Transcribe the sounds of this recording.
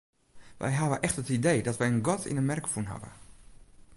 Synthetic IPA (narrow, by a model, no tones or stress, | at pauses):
ʋɛ̰jɦavəʔɛχtɦətidejdɔtʋɛjənɡɔtʰɪ̰nənmɛrkfunɦa̰və̰